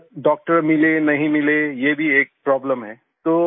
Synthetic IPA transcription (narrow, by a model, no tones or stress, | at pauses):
ɖɔːk̚ʈəɾmɪlenɐɦĩmɪlejebʱieːk̚pɾɔːbləmɦɛː | t̪oː